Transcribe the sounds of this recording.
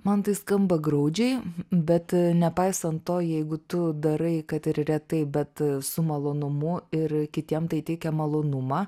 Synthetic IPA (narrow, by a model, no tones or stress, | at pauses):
mɐnt̪ɐɪskɐmbɐɡɾɐʊd͡ʒʲɛɪbʲɛt̪nʲɛpɐɪsɐnt̪toːjɛɪɡʊt̪ʊd̪ɐɾɐɪkɐt̪ɪɾrʲɛt̪ɐɪbʲɛt̪sʊmɐlˠoːnʊmʊɪɾkʲɪt̪ʲiɛmt̪ɐɪt̪ʲɛɪkʲɛmɐlˠoːnʊmɑː